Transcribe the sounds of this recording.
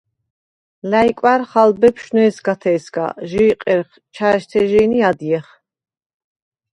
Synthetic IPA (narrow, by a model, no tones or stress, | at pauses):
lajkʼwaɾχalbɛpʰʃnɛːsɡat̪ʰɛːsɡa̰ʒiːqʼɛɾχ | t͡ʃʰaʃt̪ʰɛʒɛːniad̪iɛχ